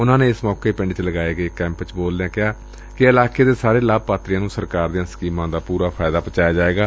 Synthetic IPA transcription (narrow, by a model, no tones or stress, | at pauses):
ʊnãːneːɪsmɔːkeːpɪɳɖt͡ʃləɡaːeːɡəeːkɛ̃ːmpt͡ʃboːlneɛ̃ːkɪɦaː | kɪɪlaːkeːd̪eːsaːɾeːlaːb̚paːt̪ɾɪjãːnũːsəɾkaːɾd̪ijãːsə̥kiːmãːd̪aːpuːɾaːpʰaːɪd̪aːpət͡ʃaːjaːd͡ʒaːeːɡaː